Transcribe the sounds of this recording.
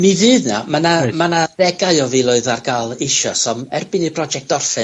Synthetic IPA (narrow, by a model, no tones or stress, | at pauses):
mivɨːðna̰manammanarɛɡaɨɔvilˠʊɨðarɡalˠɪʃɔsɔmɛrbɨnipʰrɔd͡ʒɛk̚tɔrfɨn